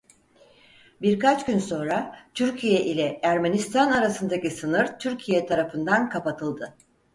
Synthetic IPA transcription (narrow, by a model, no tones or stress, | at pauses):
biɾkat͡ʃɟynso̞nɾat̪ʰyɾcʰijɛʔilʲɛæɾmenist̪ʰanaɾasɯnd̪acisɯnɯɾt̪ʰyɾcʰijɛt̪ʰaɾafɯnd̪ankʰapat̪ʰɯlˠd̪ɯ